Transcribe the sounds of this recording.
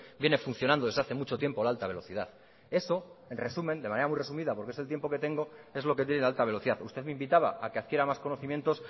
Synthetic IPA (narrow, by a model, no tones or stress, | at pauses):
bje̞ne̞fun̟θjonand̪o̞ðzðaθe̞mut͡ʃo̞t̪je̞mpo̞laalt̪aβe̞lo̞θið̞aθ | e̞so̞e̞nre̞sumend̪e̞maneɾamwujre̞sumiðapo̞ɾkeslt̪je̞mpo̞ke̞t̪e̞ŋɡo̞e̞zlo̞ket̪je̞nelalt̪aβ̞e̞loθiðaθust̪e̞ðmeimbit̪aβa̰akeaðkje̞ɾamasko̞no̞θimje̞nt̪o̞s